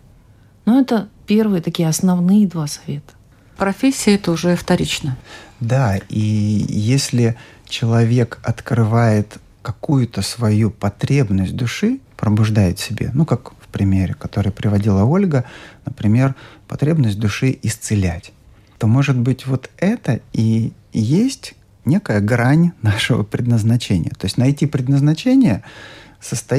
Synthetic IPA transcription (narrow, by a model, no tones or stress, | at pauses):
nuɛt̪əpʲe̞rvɨjət̪ɐkʲijəɐsnɐvnɨjəd̪vasɐvʲet̪ə̥ | pɾɐfʲesʲːɪjəɛt̪əʊʐɛft̪ɐɾʲit͡ɕnəd̪aijesʲlʲɪt͡ɕɪlˠɐvʲe̞kɐt̪kɾɨvajɪt̪ | kɐkujʊt̪əsvɐjupɐt̪ɾʲe̞bnəsʲt̚ʲd̪ʊʂɨpɾəbʊʐd̪ajɪt̪sʲɪbʲḛnukakfpɾʲɪmʲeɾʲɪkɐt̪o̞ɾɨjəpɾʲɪvɐdʲilˠəo̞lʲɡənəpɾʲɪmʲe̞rpɐt̪ɾʲe̞bnəsʲt̚ʲd̪ʊʂɨʔɪst̪sɨlʲætʲ | t̪o̞mo̞ʐɨd̪bɨtʲvo̞t̪ɛt̪əi | jesʲtʲ | nʲe̞kəjəɡɾanʲnaʂɨvə̰pɾʲɪd̪nəznɐt͡ɕenʲɪ̰jə̰t̪o̞ɪsʲtʲnɐjtʲipɾʲɪd̪nəznɐt͡ɕenʲɪjəsəst̪ɐ